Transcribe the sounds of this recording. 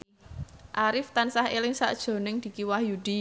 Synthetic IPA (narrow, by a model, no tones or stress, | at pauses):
ʔaɾɪft̪ansaɦelɪŋsa̰ʔd̥ʒ̥o̤nɪŋd̪̥i̤kiwahjud̪̥i̤